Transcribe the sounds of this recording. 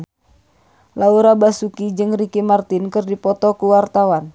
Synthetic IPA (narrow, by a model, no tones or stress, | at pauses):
lauɾabasukid͡ʒɨŋrikimart̪inkɨrdipɔt̪ɔkuwart̪awan